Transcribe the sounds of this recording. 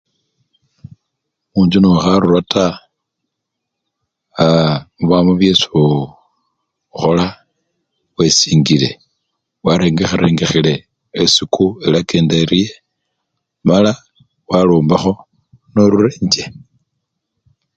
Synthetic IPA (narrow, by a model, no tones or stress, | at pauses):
muːɲd͡ʒunoxaɾuɾwatʰa | muβamuβjeso | xola | wesiːŋɡile̞̰ | waɾe̞ːŋɡexeɾeːŋɡexile̞ː | sikʰuelakeːndeɾije | mala | waloːmbaxo̞ | noɾureːɲd͡ʒe